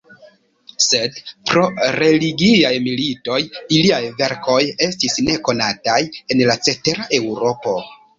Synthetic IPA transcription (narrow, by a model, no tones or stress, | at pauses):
se̞dpɾo̞ɾe̞liɡiajmilito̞jiliajve̞ɾko̞je̞stisne̞ko̞nataje̞nlat͡se̞te̞ɾaʔe̞wɾo̞po̞